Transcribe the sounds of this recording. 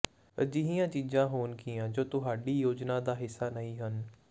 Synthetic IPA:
ə̰d͡ʒiɦĩjãːt͡ʃiːd͡ʒãːɦoːnkĩːãːd͡ʒoːt̪ʊɦaːɖiːjoːd͡ʒnãːd̪aːɦɪsːaːnəĩːɦən

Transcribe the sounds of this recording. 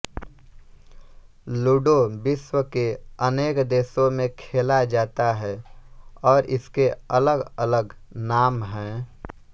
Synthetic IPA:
luːɖobɪʃwəkeəneːkd̪eːsõmẽkʰeːlad͡ʒaːt̪aɦɛːɔːɾʔɪ̰skeələɡələɡnaːmɦɛ̃ː

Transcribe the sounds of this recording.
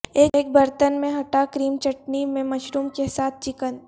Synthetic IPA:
eːk̚bɐɾt̪ənmẽɦɐʈakɾiːmt͡ʃɐʈnimẽmɐʃɾuːmkesaːt̪̚ʰt͡ʃɪkən

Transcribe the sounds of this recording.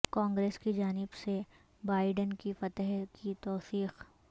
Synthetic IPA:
kãːŋɡɾeːskid͡ʒaːnɪbse | baːɪɖənkifɐt̪əɦkit̪ɔːsiːx

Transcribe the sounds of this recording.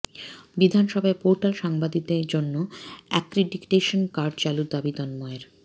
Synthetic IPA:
bid̪ʱanʃɔbʱaepoɾʈalʃaŋbad̪id̪eɾd͡ʑonːoɛkɾeɖikʈeʃonkaɾɖt͡ɕalud̪abid̪ɔnmɔeɾ

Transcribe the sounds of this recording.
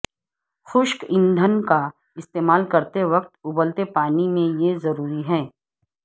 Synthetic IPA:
xʊʃkɪ̃nd̪ʱənka | ɪst̪eːmaːlkɐɾt̪eʋɐk̚t̪ʊbəlt̪epaːnimẽjezɐɾuːɾiɦɛ̃ː

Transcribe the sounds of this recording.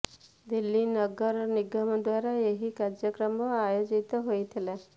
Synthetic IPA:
d̪ilːinəɡəɾniɡəməd̪ʋaɾajeɦikaɾd͡ʒjəkɾəməajod͡ʑit̪ɦojt̪ʰele

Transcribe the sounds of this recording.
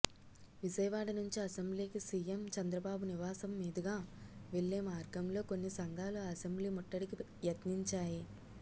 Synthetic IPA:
ʋid͡ʒɐjɐʋaːɽɐnuɲt͡ʃiɐsembliːkisiːjemt͡ʃɐnd̪ɾɐbaːbuniʋaːsɐmːiːd̪ɐɡaːʋeɭːeːmaːɾɡɐmlo̞ːko̞nːisɐŋɡʱaːluɐsembliːmɔʈːɐɽiki | jɐt̪niɲt͡ʃaːji

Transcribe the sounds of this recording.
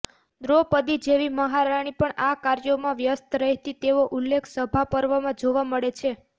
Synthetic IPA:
d̪ɾopəd̪id͡ʒeʋiməɦaɾaɽ̃ipəɳakaɾjomãʋjəst̪ɾəɦt̪it̪eʋoʔulːekʰsəbʱapəɾʋamãd͡ʒoʋaməɭet͡ʃʰe

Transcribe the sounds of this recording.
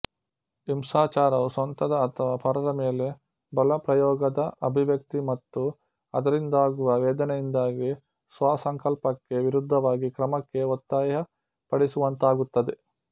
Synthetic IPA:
imsaːt͡ʃaːɾɐʋusɐnt̪ɐd̪ɐːt̪ʰɐʋaːpʰɐɾɐɾɐmeːle̞ | bɐlɐpɾɐjɔːɡɐd̪ɐɐbʱiʋjɐk̚t̪imɐt̪ːu | ɐ̰d̪ɐɾind̪aːɡuʋɐʋɛːd̪ɐnɛjind̪aːɡi | sʋaːsɐŋkɐlpɐkːe̞ʋiɾud̪ʱːɐʋaːɡikɾɐmɐkːe̞ɔt̪ːaːjɐɦɐ | pɐɽisuʋɐnt̪aːɡut̪ːɐd̪e

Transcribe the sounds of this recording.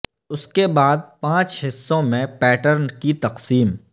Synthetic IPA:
ʊskebaːd̪̚pãːt͡ʃɦɪsːõmẽpɛːʈəɾnkit̪ɐqsiːm

